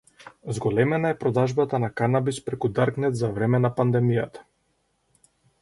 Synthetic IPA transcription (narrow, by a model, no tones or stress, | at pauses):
zɡɔlɛmɛnaɛpɾɔd̪aʒbat̪anakanabispɾɛkud̪aɾknɛt̪zavɾɛmɛnapand̪ɛmijat̪ḁ